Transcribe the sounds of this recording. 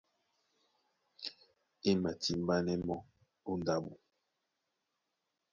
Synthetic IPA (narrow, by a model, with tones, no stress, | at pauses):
i˦ma˨ti˨m˦ba˦nɛ˦mɔ˦ | u˦nda˦˨bu˨